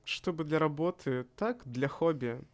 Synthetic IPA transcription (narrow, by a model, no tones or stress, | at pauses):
ʂt̪ɔbɨd̪lʲɐɾabɔt̪ʰɨt̪akd̪lʲɐxɔbʲɛ